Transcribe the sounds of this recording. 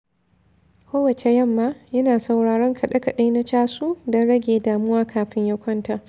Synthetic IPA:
kʷoː˦wɐ˨t͡ʃe˨jɐ˦˨mːa˦jɐ˦naː˨sa˨wɽaː˨ɽɐ˦ŋkʰɐ˨ɗɐ˦kɐ˨ɗa˦jna˦t͡ʃaː˦suː˦dɔ˦nɽɐ˦ɡʲeː˨daː˨mʊ˦waː˦kʰaː˨ɸɪ˦ɲjɐ˦kʷɔ˦nta˨ʔ

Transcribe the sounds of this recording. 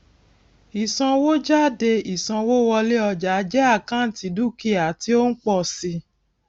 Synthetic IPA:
i˨sã˧wo˦d͡ʒa˦˨de˧i˨sã˧wo˦wɔ˧le˦ɔ˧d͡ʒa˨˦d͡ʒɛ˦a˦˨kã˦n̩˦ti˨˧˦du˦˨ki˦˨a˨ti˦o˦n̩˦k͡pɔ˦˨si˧

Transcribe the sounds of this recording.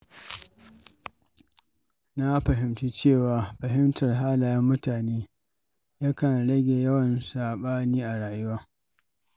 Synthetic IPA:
na˦ɸɐ˨ɦɪ˨mt͡ʃiː˦t͡ʃeː˦˨waː˨ɸɐ˨ɦɪ˦mtɐ˨rɦaː˦laː˨jɐ˦mːʊ˦taː˨neː˦ | ja˦kɐ˨nɽɐ˦ɡʲe˨jɐ˦wɐ˨nsaː˨ɓaː˦niː˦ʔa˨ɽaː˨jʊ˦waː˦

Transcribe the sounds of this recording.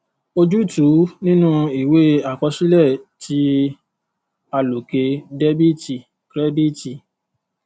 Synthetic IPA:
o˧d͡ʒu˦˨tu˨˦nĩ˦nũ˦i˨we˦a˨k͡pɔ˧˦ʃi˦lɛ˦˨ti˨˦ | a˧lo˨ke˧dɛ˦bi˦˨ti˨ | kɾɛ˦di˦˨ti˧˨

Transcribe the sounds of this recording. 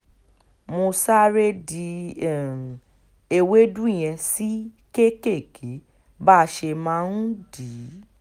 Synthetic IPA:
mo˧sa˦ɾe˦di˧˨ | e˧˨we˦dũ˦i˦˨j̃ɛ̃˧si˦ | ke˦ke˦˨kʰe˨˦ | ba˦˧ʃe˧mãː˧˦˧ñ̩˦di˨˦

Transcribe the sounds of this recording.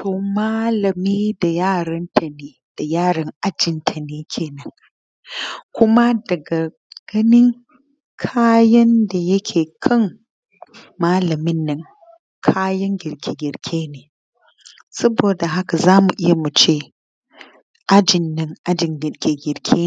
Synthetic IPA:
tʰoː˨maː˦lɐ˨miː˦da˨jaː˦˨ɾɐ˦nta˨neː˨ | d̥a˨jaː˦˨ɽɐ˦ŋʔa˦d͡ʒɪ˨ntʰa˨neː˨kʲʰeː˨nɐ˦ŋ | kʷʊ˦ma˦dɐ˨ɡa˨ | ɡ̥ɐ˦nɪ˦ŋ | kʰaː˦jɐ˦nda˨jɐ˦kʲʰeː˨kʰɐ˦ŋ | maː˦lɐ˨mɪ˦nːɐ˦ŋ | kʰaː˦jɐ˦ŋɡʲɪ˨ɾkʲe˨ɡʲɪ˨ɾkʲʰeː˦neː˨ | sɐ˦boː˨da˨ɦa˦ka˨zaː˦mu˨ʔɪ˦ja˨mu˨t͡ʃeː˦˨ | ʔa˦d͡ʒɪ˨nːɪ˦ŋʔa˦d͡ʒɪ˨ŋɡɪ˨ɾkʲe˨ɡʲɪ˨ɾkʲʰeː˦

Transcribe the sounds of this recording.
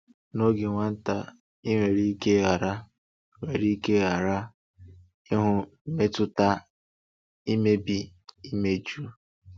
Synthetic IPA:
no˦ɡɪ˨ŋʷa˦n̩˦ta˦ | i˦ŋʷe˨ɾi˦i˦ke˦ɣa˨ɾa˦ | ŋʷe˨ɾi˦ke˦ɣa˨ɾa˦ | i˦ɦʊ˦me˦tʊ˦ta˦ | i˦me˦bi˨i˦me˦d͡ʒu˦

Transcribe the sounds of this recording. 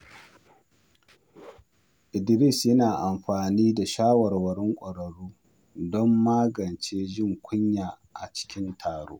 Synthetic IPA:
ʔɪ˨dɪ˨ɾɪ˦˨sjɐ˦naː˨ʔa˨mɸaː˨niː˦da˨ʃaː˦wɐ˨rwɐ˨ɾɪ˦ŋkʷʼɐ˨ɾɐ˨ɽuː˦ | dɔ˦mːaː˦ɡɐ˨nt͡ʃeː˦ʒɪ˦˨ŋkʷʊ˦ɲjaː˨ | ʔa˨t͡ʃɪ̥˦kʲɪ˦ntʰaː˨ɽo̰ː˦ʔ

